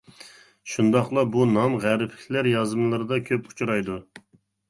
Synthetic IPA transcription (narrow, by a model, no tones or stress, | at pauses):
ʃund̪ɑχlˠɑbunɑmʁæɾɪpʰlɪkʲlæɾjɑzɨmlˠɨɾɨd̪ɑkʲʰøpu̥t͡ʃʰuɾɑjd̪u